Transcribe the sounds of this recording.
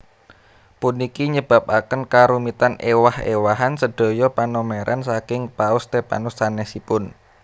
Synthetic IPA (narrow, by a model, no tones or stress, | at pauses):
pʊnikiɲəb̥a̤p̚akənkaɾumit̪anewahḛwaɦansəɖ̪̥o̤jɔpanomeɾʔa̰nsakɪŋpaʊst̪epa̰nʊstanɛsipʊn